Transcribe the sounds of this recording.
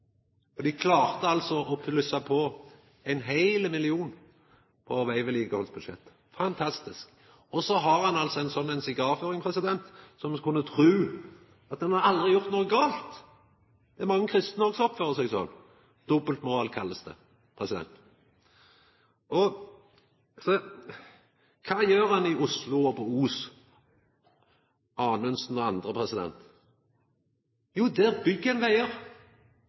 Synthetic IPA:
ɔd̪ɪkʰlɑːʁt̪əɑlsɔʔɔpʰlʏsɑpʰɔ | ɛɪnɦæɪlmɪlɪuːn | pʰɔʋæɪʋəliːkəhɔlsbʉd̪ʃɛ̰t̪ː | fɑnt̪ʰɑst̪ɪsk | ɔsɔɦɑʁhɑnɑlsɔɛɪnsɔnːɛɪnsɪɡɑːɾføːʁɪŋpʰʁɛsɪd̪ɛnt̪sɔmkʰʊnːət̪ʰʁʉː | ɑt̪̚d̪ɛnhɑɾɑld̪ɾɪjʊʁt̪nuːəɡɑːlt̪ | d̪̥ɛæɾmɑŋːəkʰʁɪst̪n̩ɔʁɡsɔpføːʁəsɛɡsɔ̰n | d̪̥ɔbəlt̪mʊɾɑːlkʰɑlːəst̪ə̰ | pʰʁɛsɪd̪ɛ̰nt̪ | ɔ | sɔ | kʰɑːjøːʁhɑnɪʊslʊɔpɔuːs | ɑːnœnsn̩ɔɑnd̪ʁəpʰʁɛsɪd̪ɛ̰nt̪ | juːd̪ɛbʏɡənʋæɪəʁ

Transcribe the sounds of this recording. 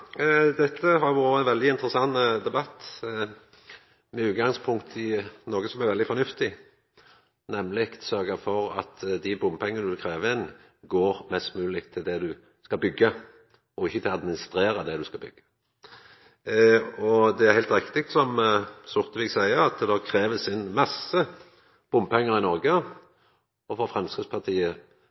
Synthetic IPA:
d̪ɛt̪ʰːəɦɑɾjʋuɾɾəæɪnʋɛld̪ɪɪnt̪ʁəsɑnːd̪ɛbɑt̪ː | mɛʉːt̪̚ɡɑŋspʰʊŋkt̪ʰɪnoːɡəsɔmæɾʋɛld̪ɪfɔnʉft̪ɪ | nɛmlɪkt̪sœɾɡəfɔɾɑ̰t̪d̪ɪbʊmpʰɛŋːənəʉkʰɾeːʋəɪn | ɡoːɾmɛst̪mʉːlɪkt̪ʰːɪld̪ɛd̪ʉ | skɑbʏɡːə | ɔɪçːət̪ʰɪlɑd̪mɪnɪst̪ɾeːɾɑd̪ɛd̪ʉskɑlbʏ̰ɡ̥ə̥ | ɔd̪ɛæʁhæɪlt̪ɾɪkt̪ɪk̚t̪sɔmsʊʁt̪əʋiːɡsæɪəɑt̪əd̪oːkʰɾeːʋəsɪnmɑsə | b̥ʊmpɛŋːəɾɪnɔɾɡə | ɔfɔfʁɛmskəspʰɑʁt̪ʰiːə

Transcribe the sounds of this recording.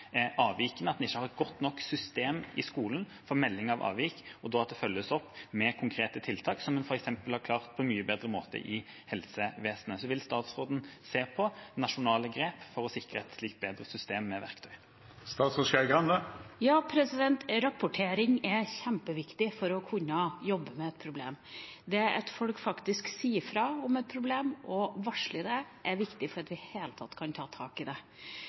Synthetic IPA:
ɛɑːʋiːkənəɑt̪̚dɛnɪçːəhɑɾɛt̪̚ɡɔt̪ːnɔkːsʏst̪eːmʔɪskuːlən | fɔɾmɛlːɪŋɑʋʔɑ̰ːʋiːkɔd̪oːɑt̪̚d̪ɛfœlːəsɔpːmɛkʰʊŋkʰɾeːt̪ət̪ʰɪlt̪ʰɑːksɔmːɛnfɔɾɛksɛmpəlhɑɾkʰlɑːʁt̪̚pʰɔɛnmyːəbeːd̪ɾəmoːt̪ə̰ʔɪ | hɛlsəʋeːsənəsɔʋɪlst̪ɑːt̪sʁoːd̪n̩seːpʰɔnɑʂʊnɑːləɡɾeːpfɔɾɔsɪkɾəɛt̪sliːk̚t̪̚beːd̪ɾəsʏst̪eːmːɛʋæ̰ʁkt̪ʰœʏ | st̪ɑːt̪sɔʃæɾɡlɑnd̪əjɑːpʰɾɛsɪd̪ɛnt̪ɾɑpʊʈʰeːɾɪŋɛçæmpəʋɪkt̪ɪfɔɾɔkʰʉnːəjɔbːəmɛɛt̪̚pʰɾʊblḛːm | d̪ɛæɾʔɛt̪fɔlkfɑkt̪ɪsksiːəɾfɾɑɔmɛt̪̚pʰɾʊbleːmʔɔʋɑʂɭɪd̪ɛʔæɾʋɪkt̪ɪfɔɾɑt̪ʋɪheːlət̪ʰɑt̪ːkʰɑnt̪ʰɑːt̪ʰɑːkɪd̪ɛ

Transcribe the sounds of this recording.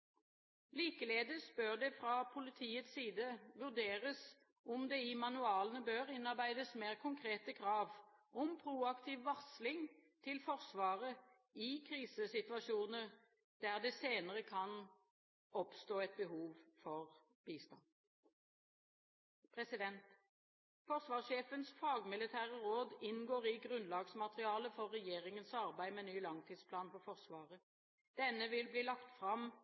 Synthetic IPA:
liːkəleːd̪əsb̥øːʁd̪ɛfʁɑːpʰʊlɪt̪ʰiːət̪siːd̪əʋʉʁd̪eːʁəs | ɔmd̪eːɪmɑnʉɑːlənəbøːʁɪnɑʁbæɪd̪əsmeːʁkʰʊŋkʰʁeːt̪əkʰɾɑːʋʔɔmpʰɾuːɑkt̪ʰiːʋːɑʁslɪŋt̪ʰɪlfɔʁsʋɑːʁə | ɪkʰʁiːsəsɪt̪ʋɑʃuːnəʁ | d̪̥æʁd̪ɛseːnəʁəkʰɑn | ɔpst̪oːɛt̪̚bəɦuːʋfɔʁ | b̥iːst̪ɑn | pʰʁɛsɪd̪ɛnt̪ | fɔʁsʋɑːʁsʃeːfənsfɑːɡmɪlɪt̪ʰæːʁəʁoːd̪ɪnɡoːʁɪɡʁʉnlɑːɡsmɑt̪ʁɪɑːləfɔʁːɛjeːʁɪŋənsɑʁbæɪmɛnyːlɑŋt̪ʰiːd̪spʰlɑːnfɔʁfɔʁsʋɑːʁə | d̪̥ɛnːəʋɪlbliːlɑkt̪fʁɑm

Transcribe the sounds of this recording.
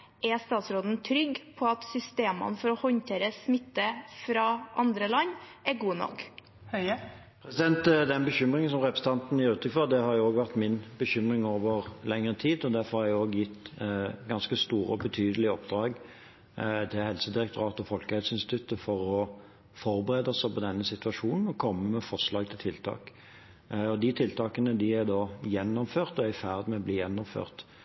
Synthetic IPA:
ʔɛst̪ɑːt̪sɾoːd̪n̩t̪ʰɾʏɡpʰɔɑt̪sʏst̪eːmə̰nfɔɾɔhɔnt̪ʰeːɾəsmɪt̪ːəfɾɑʔɑnd̪ɾəlɑnːæɡuːnɔ̰k | pʰɾɛsɪd̪ɛnt̪d̪ɛnbəçʏmʁɪŋənsɔmʁɛpɾəsət̪ʰɑnt̪n̩jæɾʉːt̪ʁɪkfɔʁd̪ɛhɑɾjʊoːɡʋæʁt̪mɪnbəçʏmʁɪŋoːʋəʁlɛŋəʁət̪ʰiːd̪ɔd̪æɾfɔʁhɑɾjæɪoːɡjɪt̪ːɡɑnskəst̪uːɾəɔbət̪ʰyːd̪əlɪəɔpd̪ɾɑːɡ | t̪ʰɪlhɛlsəd̪ɪɾɛkt̪ʊɾɑːt̪ɔfɔlkəhɛlsəɪnst̪ɪt̪ʰʉt̪ːəfɔɾɔ | fɔʁbəʁeːd̪ɔsɛpʰɔd̪ɛnːəsɪt̪ʉɑʂuːnn̩ɔkʰɔmːəmɛfɔʂlɑːɡ̚t̪ʰɪlt̪ʰɪlt̪ʰɑ̰ːk | ɔd̪ɪt̪ʰɪlt̪ʰɑːkənəd̪ɪæɾd̪ɑːjɛnːɔmføːʁt̪ɔæɾɪfæːʁd̪mɛɔbliːjɛnːɔmfø̰ːʁt̪

